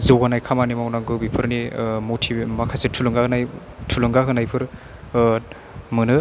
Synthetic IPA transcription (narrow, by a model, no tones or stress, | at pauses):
zowɡanajkʰamanimawnaŋɡɯbipʰɯɾnimotʰimakʰasetʰulɯŋɡaɯnaj | tʰulɯŋɡaɦɯnajpʰɯɾ | mɯnɯ